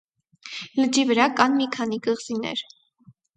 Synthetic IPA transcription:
ləd͡ʒivəɾɑkɑnmikʰɑn̪ikəʁz̥inɛ̰ɾ

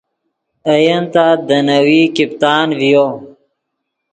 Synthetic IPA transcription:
əjənt̪ad̪ənəwikip̚t̪aːnvijo

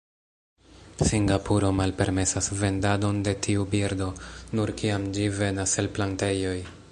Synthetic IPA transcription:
siŋɡapuɾo̞malpe̞ɾme̞sasve̞ndado̞nde̞tʰiubiɾdo̞nuɾkiamd͡ʒive̞naselplante̞jo̞j

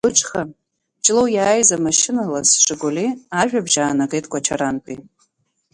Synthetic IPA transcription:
ʊt͡ʃʰʼχa | d͡ʒʼlowjaːjzamaʃɪnalasʂʼɨɡoliaʒᶣabʒaːnaɡejtʼkʷʰʼat͡ʃʰaɾanpʰʼi

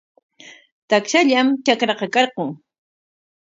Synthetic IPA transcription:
t̪akʃaʎamt͡ʃakɾɑqɑkɑɾqʊŋ

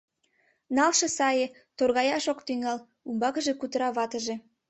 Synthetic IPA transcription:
nɑlʃɤ̆sɑjĕ | t̪orɣɑjɑʃokt̪yŋɑl | umbɑkə̆ʒekut̪əɾɑβɑt̪ə̆ʒe

